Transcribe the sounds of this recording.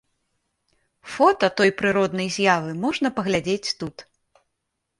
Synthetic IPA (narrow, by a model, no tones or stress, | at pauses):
fɔt̪ɐt̪ɔjpɾɨɾɔd̪nɐjzʲjavɨmɔʐnɐpɐɣlʲad͡zʲet͡sʲt̪ut̪